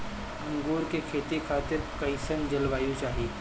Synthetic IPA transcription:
ɐ̃ŋɡuːɾkekʰeːt̪ikʰaːt̪ɪɾkɐɪsənd͡ʒɐlʋaːjõt͡ʃaːɦieː

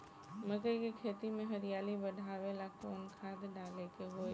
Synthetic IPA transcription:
mɐkəikikʰeːt̪imẽɦɐɾijaːlibəɖʱaːʋelakoːnkʰaːd̪ɖaːlekeɦo

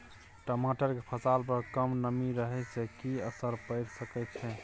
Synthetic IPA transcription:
ʈomaʈəɾkepʰəsalpəɾkəmnəmiɾəɦɛsekiəsəɾpəɪɾsəkɛt̪t͡ʃʰɛ̃

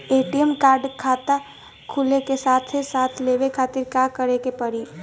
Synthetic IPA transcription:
eːʈijəmkaːɾɖkʰaːt̪a | kʰʊlekesaːt̪ʰesaːt̪ʰleːʋekʰaːt̪iɾkaːkəɾekepəɾi

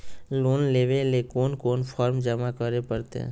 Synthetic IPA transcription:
loːnleːʋelekoːnkoːnpʰɔːɾmd͡ʒəmakəɾepəɾt̪ḛ̃

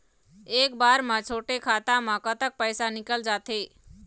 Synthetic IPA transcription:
eːkbaːɾmãt͡ʃʰoːʈekʰaːt̪ãmãkət̪ək̚pəjsanɪkəld͡ʒaːt̪eː

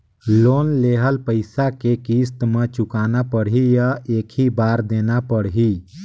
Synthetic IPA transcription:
loːnleːɦəlpəɪsakekiːst̪mẽt͡ʃʊkaːnapəɽɦijaeːkʰibaːɾd̪eːnapəɽɦi

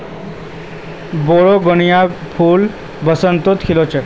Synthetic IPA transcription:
boɽoɡɔnijapʰul | bəsənt̪ot̪kʰilot͡ʃə

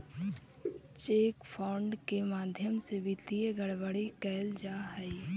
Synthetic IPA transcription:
t͡ʃeːkpʰaːɳɖkemaːd̪ʱjəmsebit̪iɡəɽʋəɽikɛːld͡ʒaːɦɛi

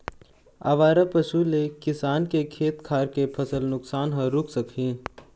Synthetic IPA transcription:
a̰ːʋaːɾapəʃulekɪsaːnkekʰeːt̪kʰaːɾkepʰɐsəlnʊksaːnɦə̃ɾʊkʰsəkɦĩː

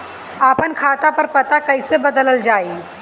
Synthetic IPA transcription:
aːpənkʰaːt̪apɐɾpɐt̪akɐɪsebɐd̪ələld͡ʒaːi

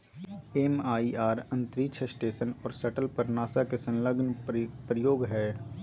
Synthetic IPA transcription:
eːmaːiaːɾɐ̃nt̪ɾiːt͡ʃʰəsʈeːʃənɔːɾsɐʈəlpɐɾnaːsakesɐ̃nləɡnpɾəjoːɡɦɛː

